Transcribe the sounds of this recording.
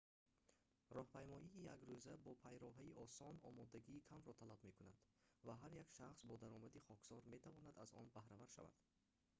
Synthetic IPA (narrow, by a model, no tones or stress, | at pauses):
rɔhpʰajmɔʔiːjaɡɾuzabɔpʰajɾɔɦaiʔɔsɔnɔ̰mɔd̪aɡiːkʰamɾɔt̪ʰalabme̞kuna̰d̪̥vaɦaɾjakʃaχsbɔd̪aɾɔmad̪iχɔksɔɾme̞t̪ʰavɔnad̪azɔ̰nbahɾavaɾʃa̰va̰d̪̥